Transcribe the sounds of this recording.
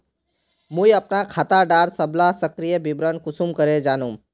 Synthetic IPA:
mũjɐpnakʰaːt̪aɖaːɾsəblasəkɾijəbɪbɾənkʊsumkəɾed͡ʒaːnũ

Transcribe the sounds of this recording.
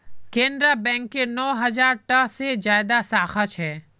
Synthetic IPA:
kẽːnɖɾabɛ̃ːŋkːenɔːɦɐd͡ʒaːɾʈəsed͡ʒaːjd̪asaːxət͡ʃɦɛː

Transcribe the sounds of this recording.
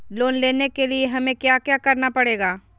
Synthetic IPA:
loːnleːnekelieɦɐmẽkjaːkjaːkɐɾnapɐɽeːɡaː

